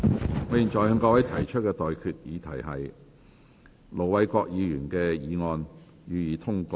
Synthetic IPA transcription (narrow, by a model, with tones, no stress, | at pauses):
ŋɔː˨˧ji˨nt͡ʃɔː˨jhœ˨˧ŋkɔː˧wɐ˨˥jt̪ʰɐ˨˩jt͡ʃʰɵ˥t̚kɛː˧t̪ɔː˨jkʰyː˨t̚jḭː˨˧t̪ʰɐ˨˩jɦɐ˨j | lo˨˩wwɐ˨˧jkʷɔː˧k̚jiː˨˧jyː˨˩nkɛː˧jiː˨˧ŋɔː˧n | jyː˨˧jiː˨˧t̪ʰʊ˥ŋkɔː˧